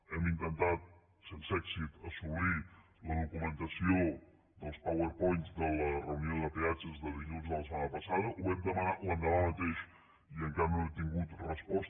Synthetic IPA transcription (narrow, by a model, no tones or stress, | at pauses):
ɛmint̪ənt̪at̪̚ | sensɛksit̪əsumi | ləðukumənt̪əsio | d̪əlˠspawəɾpɔjnzd̪ələrəunioðəpeat͡ʃəzðəðiʎunzðələsəmanəpəsað̞əʔuβɛmd̪əmənat̪lənd̪əlamət̪eʃ | iəŋkaɾnoɛmt̪iŋɡut̪rəspɔs